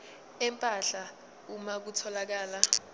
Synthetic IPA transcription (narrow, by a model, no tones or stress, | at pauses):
ɛmpʼaɬa | umak̬utʰɔlak̬aːla